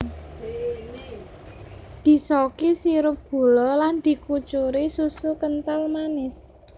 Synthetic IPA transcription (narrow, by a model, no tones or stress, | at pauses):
d̪̥i̤sɔkisiɾʊp̚b̥o̤lɔland̪̥i̤kut͡ʃuɾisusukənt̪almanɪs